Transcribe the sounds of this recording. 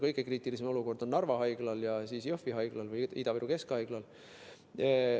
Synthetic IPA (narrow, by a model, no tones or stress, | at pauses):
kɤjɡ̥e̞kriːt̪ˑilis̬emo̞luko̞rd̪̥o̞nːɑrvɑɦɑjɡ̥lɑljɑsiːsjofiɦɑjɡ̥lɑlvɯjid̪̥ɑviɾuke̞skhɑjɡ̥lɑl